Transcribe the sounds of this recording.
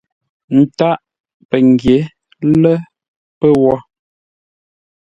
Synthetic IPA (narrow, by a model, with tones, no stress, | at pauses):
n̩˨ta˦ʔ | pə˨ŋ˨ɡje˨˦ | lə˦ | pə˦wɔ˦